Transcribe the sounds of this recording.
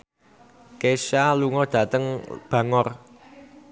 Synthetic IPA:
keʃaluŋɔɖ̥ä̤t̪əŋb̥ä̤ŋɔr

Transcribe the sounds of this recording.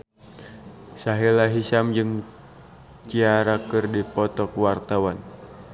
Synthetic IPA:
saɦilaɦisamd͡ʒɨŋ | t͡ʃiaɾakɨrdipɔt̪ɔkwart̪awan

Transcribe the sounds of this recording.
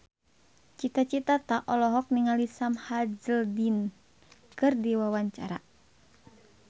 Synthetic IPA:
t͡ʃit̪at͡ʃit̪at̪aʔɔlɔɦɔk̚niŋalisamhad͡ʒəldin | kɨrdiwawaɲt͡ʃa̰ɾa̰

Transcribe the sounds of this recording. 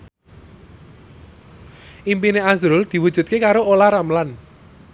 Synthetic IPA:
ʔimpineazɾʊld̪̥i̤wud̥ʒ̥ṳt̪̚kekaɾoolaɾamlan

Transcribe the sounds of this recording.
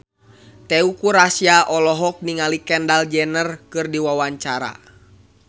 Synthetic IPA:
t̪ɛukuɾasjaʔɔlɔɦɔk̚niŋalikɛndald͡ʒɛnərkɨrdiwawaɲt͡ʃaɾa̰

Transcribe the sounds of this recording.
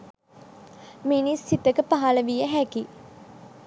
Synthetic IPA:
minisːit̪əkəpaɦaləʋijəɦæki

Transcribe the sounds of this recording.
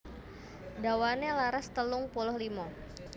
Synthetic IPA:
dawanelaɾast̪əlʊŋpulɔhlimɔ

